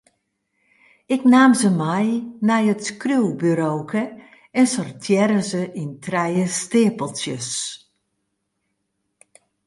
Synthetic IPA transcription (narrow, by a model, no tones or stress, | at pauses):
ɪknaːmzəmɛjnɛjətskrywbyɾoːkʰə | ɛnsɔrtʰjɛɾəzəʔintrɛjəstɪːpəlˠtjəs